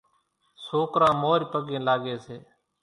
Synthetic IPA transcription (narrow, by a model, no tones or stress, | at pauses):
soːkɾãːmoːɾpəɠẽːlaːɠeːseː